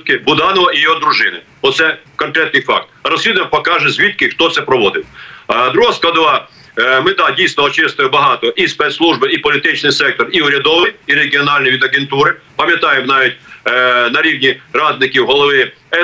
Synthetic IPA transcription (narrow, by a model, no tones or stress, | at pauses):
kɪbʊd̪ɑnɔʋɐijiɦɔd̪ɾʊʒɪnɪ | ɔt̪sɛkɔnkɾɛt̪nɪjfɑ̰k̚t̪rɐsʲid̪ʊjɛmpɐkɑʒɛzʲʋʲit̪̚kɪxt̪ɔt̪sɛpɾɔʋɔd̪ɪt̪ʲd̪ɾuɦaskˠɐd̪ʋɑ | mɪt̪ɑdʲijst̪nɔɔt͡ʃɪst̪ʊjɛbɐɦɑt̪ɔʔispɛt̪slˠuʒbɪipɔlʲɪt̪ɪt͡ʃnɪjsɛk̚t̪ɔriʊɾʲɐd̪ɔʋɪjiɾeɡʲɪɔnɑlʲnɪjʋʲid̪ɐɡʲent̪uɾɪpɐmʲjɐt̪ɑjɪmnɑʋʲit̚ʲnɐɾʲiʋnʲirɑd̪nɪkʲɪwɦɔlˠɔʋɪɛ